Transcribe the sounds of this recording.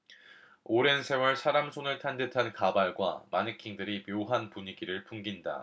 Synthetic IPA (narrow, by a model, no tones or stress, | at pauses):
oɾe̞nsʰe̞wʌɭsʰaɾamsʰoŋɯɭtʰandetʰankabaɭɡwa̰manikʰiŋdɯɾimjoɦanpuɲiɡiɾɯɭpʰuŋɡinda̰